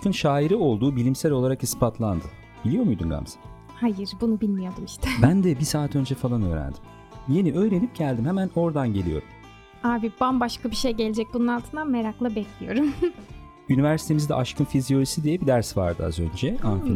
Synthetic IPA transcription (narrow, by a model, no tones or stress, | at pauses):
ʃkɯnʃaːiɾio̞lˠd̪uːbilʲimsæɾʲo̞lˠaɾakispʰat̪ʰlˠand̪ɯ | b̥ilʲijo̞ɾmujd̪unɡa̰msa | hajɯɾbunubilʲmijo̞d̪umiʃt̪ʰɛbænd̪ɛbisaːt̪ʰø̞nd͡ʒɛfalˠanø̞̰ːɾæ̰nd̪im | je̞niʔø̞ːɾe̞nip̚ɟælʲd̪imhɛmæno̞ɾd̪anɟelʲijo̞̰ɾum | aːbibanbaʃkʰabiʃejɟe̞lʲed͡ʒɛc̚bununalˠt̪ʰɯnd̪ameɾaklˠabɛclʲijo̞̰ɾum | ynivæɾsi̥t̪ʰe̞mizid̪ɛ̰ʔaʃkɯnfizijo̞lʲisid̪ijɛbid̪æɾsva̰ɾd̪ɯa̰zø̞̰nd͡ʒɛanfi